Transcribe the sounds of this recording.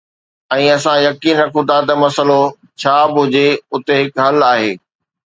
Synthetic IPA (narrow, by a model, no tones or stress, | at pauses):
ɛ̃ːɐsãjɐkiːnɾɐkʰʊ̃t̪ʰat̪ɐmɐsəlo | t͡ɕʰaːbʊd͡ʑeʊt̪eɦɪkɦɐlaːɦeː